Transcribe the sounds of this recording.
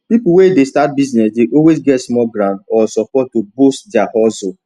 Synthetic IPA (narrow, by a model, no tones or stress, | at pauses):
pipuwedestat̚biznɛsdeʔɔlwezɡɛtsmɔɡɾãndɔsɔpɔttːobostd͡ʒahɔzo